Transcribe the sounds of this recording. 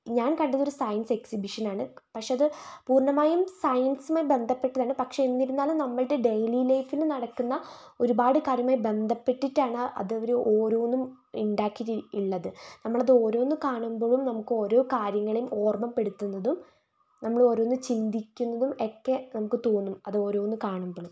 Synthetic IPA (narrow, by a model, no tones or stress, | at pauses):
ɲaːnkɐɳɖiðːo̞ɾusɐjɐnse̞ksibiʂɐnaːɳɨpɐkʂe̞ɐðɨpuːrɳɐmaːjumsɐjɐnsumaːjbe̞nd̪ʱɐpːe̞ʈːɐðaːɳɨpɐkʂe̞enːiɾunːaːlumnɐmːɐɭɽeɖejlilɐjfilnɐɽɐkːunːɐ | o̞ɾubaːɽɨkaːɾjɐmaːjibe̞nd̪ʱɐpːe̞ʈːiʈːaːɳɨʔɐ̰ðɨɐʋɐɾuʔoːɾoːʋnːum | iɳɖaːkːiiɭːɐðɨnɐmːɐɭɐðɨo̞ːɾo̞ːnːɨkaːɳumbo̞ːɭumnɐmukːɨo̞ːɾo̞ːkaːɾjɐŋːɐɭejumʔo̞ːrmɐmpe̞ɽut̪ːunːɐðum | nɐmːɐɭo̞ːɾo̞ːʋnːɨt͡ɕind̪ikʲːunːɐðume̞kːe̞nɐmukːɨt̪oːnːumɐðɨo̞ːɾo̞ːʋunːɨkaːɳumboːɭum